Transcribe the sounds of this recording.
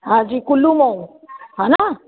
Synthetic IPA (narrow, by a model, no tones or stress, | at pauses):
azikulumɔ | ana